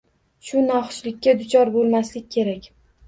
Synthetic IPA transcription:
ʃʊnɒχʃlɪkʲːad̪ʊt͡ʃʰɒɾbolˠmaslɪk̚ʲːʰe̞ɾakʲ

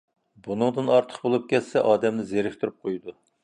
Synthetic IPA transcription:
bunɨŋd̪ɨnɑɾt̪ʰə̥qbolˠup̚kʲɛt̪sɛʔɑːd̪ɛmnɪzeɾɪkʲt̪ʰuɾyp̚qʰojd̪u

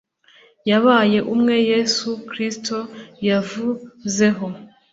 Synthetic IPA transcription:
jaβaːje̞ʔumŋe̞je̞sukɾisto̞javuze̞ɦo̞

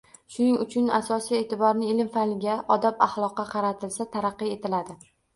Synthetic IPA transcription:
ʃʊnɪŋʊt͡ʃʰʊna̰sɒsije̞ːt̪ʰɪbɒɾnɪelɪmfanlɪɡʲaʔɒd̪apaχlˠɒqːɑqʰɑɾat̪ʰɪlsat̪ʰaɾɑqːɨe̞t̪ʰɪlad̪ɪ

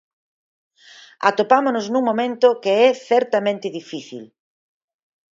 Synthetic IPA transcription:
a̰t̪opamonʊznũŋmomẽnt̪ʊkeɛθɛɾt̪amẽnt̪ɪðifiθḭl

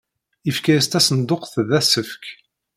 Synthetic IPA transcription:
ifkæjəst̪æsənd̪ʊqθðæsəfk

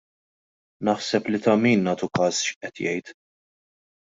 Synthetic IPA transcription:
nɐħsɛplit̪ɐmiːnːɐːt̪ukɐːsʃʔɛt̪jɛjt̪

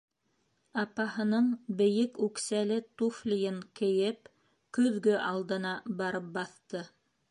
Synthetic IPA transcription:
ɑpɑhɤ̆nɤɴbɘ̆jɘkʉksælɘt̪uflʲijɘŋkɘ̆jɘp̚ | kɵ̆ðɡɵʔɑlˠd̪ɤ̆nɑbɑɾɤp̚bɑθt̪ɤ

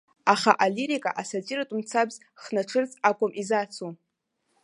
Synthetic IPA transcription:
aχa̰ʔaliɾikʼa̰ʔasatʼiɾatʼumt͡sʰabz | χnaʈ͡ʂʰɨrt͡sʼakʷʼamʔizat͡sʰu

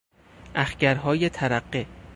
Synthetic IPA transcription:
ʔæxcæɾɦɒːjet̪ʰæɾæɢːe

